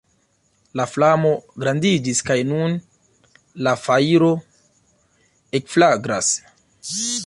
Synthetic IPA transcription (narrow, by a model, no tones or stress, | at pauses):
laflamo̞ɡɾandid͡ʒiskajnun | lafaiɾo̞ | ekflaɡɾas